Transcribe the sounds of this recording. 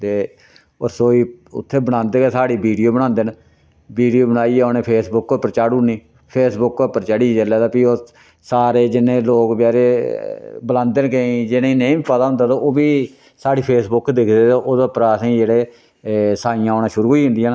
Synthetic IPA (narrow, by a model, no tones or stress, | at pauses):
t̪eː | o̰ːɾsoːiːʊ̰t̪ʰːeːbəɽãːnd̪eːkeːsaːɽiːbiːɽijoːbəɽ̃ãːnd̪en | biːɖijoːbəɽaːiːoːneːpʰeːsbʊkːopəɾt͡ʃaːɽuniː | pʰeːsbʊkːopəɾt͡ʃaːɽiːd͡ʒelaːd̪aːpiːoː | saːɾeːd͡ʒɪnːẽːloːkpɪjaːɾeː | bəlãːnd̪eːnkeĩːd͡ʒɪneineiːpət̪aːɦʊnd̪aːt̪aoːbiː | saːɽiːpʰeːsbʊkd̪ɪkʰd̪eːt̪ːʔoːd̪apɾaːəsĩːd͡ʒeːɽeː | saːijãːoːnãːʃʊɾuːɦoiːɦʊ̃nd̪ijãː